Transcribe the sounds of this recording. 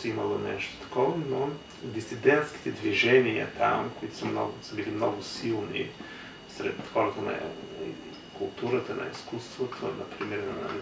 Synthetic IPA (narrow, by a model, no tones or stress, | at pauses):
sɛimɐlˠonɛʃt̪o̥t̪ɐ̥kɔvɐno | d̪isid̪ɛnt̪sk̟i̥t̪ɛd̪viʒɛnijɐ̰t̪ʰa̰mkoit̪o̥sɐmnɔ̰ɡsəbilimnɔɡʊsilˠnḭ | sɾɛt̪xɔɾɐt̪ənɐ̰ | kulˠt̪uɾət̪ənɐ̰iskust̪vot̪ʰonɐ̰pɾimɛɾnna̰i